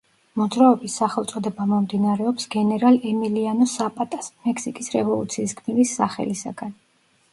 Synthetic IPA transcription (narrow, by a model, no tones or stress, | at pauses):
mɔd̪zɾaɔbisːaχɛlˠt̪sʼɔd̪ɛbamɔmd̪inaɾɛɔpsɡɛnɛɾalˠɛmilianɔsapʼat̪ʼasmɛksikʼisɾɛvɔlˠṵt̪sʰiːskʰʼmnivisːaχɛ̰lisa̰ɡ̥an